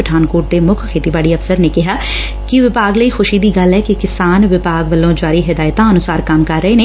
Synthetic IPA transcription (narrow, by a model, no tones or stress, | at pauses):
ɪʈʰaːnkoːʈ̚d̪eːmʊkʰkʰeːt̪iːbaːɽiːəfsəɾneːkɪɦaː | kɪʋɪpaːɡləiːxʰʊʃiːd̪iːɡəlɛːkɪkɪsaːnʋɪpaːɡʋəlːõːd͡ʒaːɾiːɦɪd̪aːɪt̪ãːənʊsaːɾkəmkəɾːəeːneː